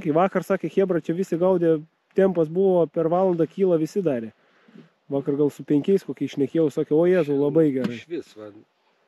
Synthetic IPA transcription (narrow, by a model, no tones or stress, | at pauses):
kʲɛɪʋɑːkɐrsɑːkʲexʲeːbrɐt͡ʃʲɛʋʲɪsʲɪɡɐʊd̪ʲeː | t̪ʲɛmpɐs̬bʊʋoːpʲɛrʋɑːlˠɐnd̪ɑkʲiːlˠɐʋʲɪsʲɪd̪ɑːɾʲe | ʋɑːkɐrɡɐlˠsʊpʲɛŋʲkʲɛɪskoːkʲiɛʃʲnʲɛkʲeːjɛʊsɑːkʲɛoːjæːzʊːlˠɐbɐɪɡʲɛɾɐɪʃʋʲɪsʋɐ